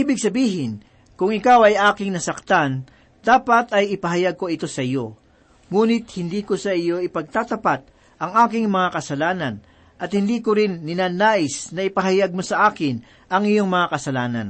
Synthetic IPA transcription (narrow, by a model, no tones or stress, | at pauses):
ʔiːbɪɡ̚sɐbiːɦɪn | kʊŋɪkawɐjʔaːkɪŋnɐsɐk̚t̪an | d̪̥aːpɐt̪ɐjɪpɐɦɐjaɡ̚ko̞ɪt̪o̞sɐʔɪjo̞ | ŋuːnɪt̪̚hɪnd̪iːko̞sɐʔɪjo̞ʔɪpɐɡ̚t̪at̪ɐpat̪̚ | ʔɐŋʔaːkɪŋmɐŋakɐsɐlaːnɐn | ʔɐt̪hɪnd̪iːkoɾɪnːɪnaːnaːʔɪsnɐɪpɐɦɐjaɡ̚mo̞sɐʔaːkɪn | ʔɐŋɪjo̞ŋmɐŋakɐsɐlaːnɐ̰n